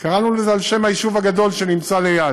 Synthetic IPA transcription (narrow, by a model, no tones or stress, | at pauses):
kaʁanulezalʃe̞mhajiʃuvhaɡad̪o̞lʃe̞nimt͡saleja